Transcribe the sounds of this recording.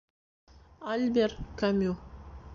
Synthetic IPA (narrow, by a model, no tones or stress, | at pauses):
alʲbʲerkamʲu